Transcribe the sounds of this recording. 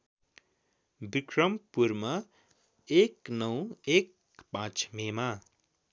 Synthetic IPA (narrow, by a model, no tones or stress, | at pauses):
bikrʌmpurmʌ | eknʌw̃ek | pãt͡smema